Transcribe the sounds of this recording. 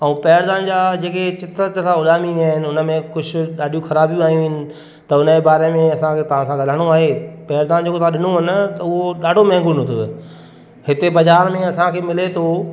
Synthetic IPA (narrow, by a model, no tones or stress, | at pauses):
ɛ̃ũːpɛːɾd̪aːnd͡ʑaːd͡ʑeːket͡ɕɪt̪ət̪sãʊɗaːmiaːɦɪnɪ̆ʊnəmẽkʊd͡ʑʰʱʊ̆ɗaːɗijũxɐɾaːbijũaːijũʋɪnɪ̆ | t̪ɐʊnəebaːɾemẽɐsãkʰeːt̪ɐʋ̤ãsãɡʱɐl̤aəɽ̃oaːɦepɛːɾd̪aːnd͡ʑoːkot̪ãɗɪnoɦɪnt̪ɐʊɦoɗaːɖʱomɛ̃ɦːŋɡʊnʊt̪ʰʊ | hɪt̪ebɐd͡ʑaːɾmẽɐsãkʰeːmɪlet̪ʰoː